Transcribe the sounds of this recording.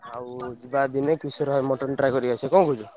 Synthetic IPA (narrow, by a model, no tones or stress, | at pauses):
awd͡ʒibad̪inekisɔɾɦjmɔʈɔnʈɾajkɔɾiasʰekɔ̃ɡɔd͡ʒu